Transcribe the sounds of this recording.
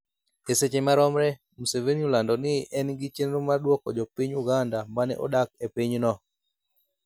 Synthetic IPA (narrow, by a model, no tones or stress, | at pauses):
eset͡ʃemaɾɔmɾɛ | musevenijulandɔnɪʔɛnɡɪt͡ʃenɾomadwɔkɔd͡ʒɔpiɲuɡandamanɛ̰ʔɔ̰dak̚epiɲnɔ